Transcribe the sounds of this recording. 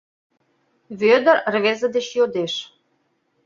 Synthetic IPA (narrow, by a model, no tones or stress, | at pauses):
βød̪ə̆rrβezə̆d̪et͡ɕjod̪eʃ